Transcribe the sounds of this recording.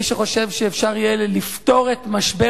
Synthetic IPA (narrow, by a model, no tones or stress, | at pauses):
iʃeχo̞ʃe̞vʃeːfʃaʁijelelifto̞ʁet̪maʃbe